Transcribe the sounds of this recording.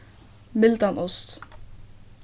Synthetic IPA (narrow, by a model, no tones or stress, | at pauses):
mɪld̪anʔɔst̪